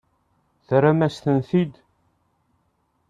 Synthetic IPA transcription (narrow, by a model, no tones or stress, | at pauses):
θɾamæsθənθid̪